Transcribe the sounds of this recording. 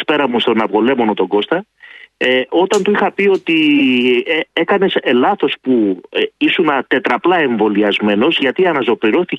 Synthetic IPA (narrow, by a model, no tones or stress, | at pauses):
spe̞ɾɐmust̪o̞nɐvɣo̞le̞mo̞no̞t̪o̞ɡo̞st̪ɐeo̞t̪ɐnt̪uixɐpio̞t̪i | e̞kɐne̞selɐθo̞spuisunɐt̪e̞t̪ɾɐplɐe̞ɱvo̞liɐzme̞no̞zʝɐt̪iɐnɐzo̞piɾo̞θi